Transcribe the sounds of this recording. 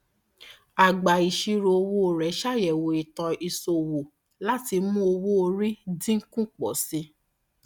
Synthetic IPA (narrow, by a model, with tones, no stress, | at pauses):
a˨ɡ͡ba˨i˨ʃi˧ɾo˧o˧wo˦o˨ɾɛ˨˦ʃa˦˨jɛ˨wo˨i˨tɔ˧i˧so˨wo˨ | la˦ti˧mũ˦o˧wo˦o˧ɾi˦dĩ˦ŋ̩˦kũ˦k͡pɔ̰˨˦sĩ˧˦